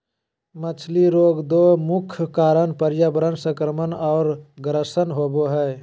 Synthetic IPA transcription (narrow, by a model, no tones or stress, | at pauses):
mət͡ʃʰliɾoːɡd̪oːmʊkʰkaːɾənpəɾjabəɾənsə̃kɾəmənɔːɾɡɾəsənɦoːboɦɛː